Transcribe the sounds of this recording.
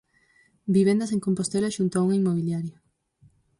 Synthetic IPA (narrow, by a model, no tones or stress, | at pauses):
biβẽnd̪ɐs̬eŋkompost̪elaʃunt̪oauŋaimoβ̞iljaɾja